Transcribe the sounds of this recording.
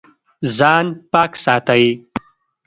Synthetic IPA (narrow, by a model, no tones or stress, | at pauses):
zaːnpaːksaːt̪ai